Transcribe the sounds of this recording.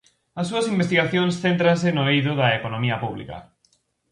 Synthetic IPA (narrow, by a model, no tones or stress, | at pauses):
ɐsːuɐsimbest̪iɣaθjõnsθent̪ɾans̬ɪnoiðʊðɐekonõmiɐpuβlḭkɐ̰